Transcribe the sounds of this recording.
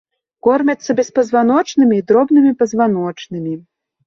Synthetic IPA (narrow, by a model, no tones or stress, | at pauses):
kɔrmʲɐt̪sːɐbʲɛspɐzvan̪ɔt͡ʂnɨmʲiːd̪ɾɔbnɨmʲipɐzvan̪ɔt͡ʂnɨmʲi